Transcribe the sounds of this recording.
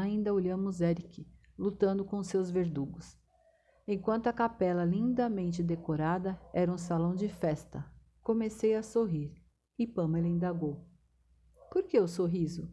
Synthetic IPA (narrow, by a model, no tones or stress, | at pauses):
aĩnd̪ɐoʎɐ̃mʊzɛɾikɪ | lut̪ɐ̃nd̪ʊkõʊsewzveɾd̪uɡʊs | ẽkwɐ̃nt̪ʊɐkapɛlɐlĩnd̪ɐmẽnt͡ʃɪd̪ekoɾad̪ɐɛɾɐũsalɐ̃w̃d͡ʒɪfɛst̪ɐ | komesejɐsoɦiɾ | ɪpɐ̃melĩnd̪aɡow | poɾkeʊsoɦizʊ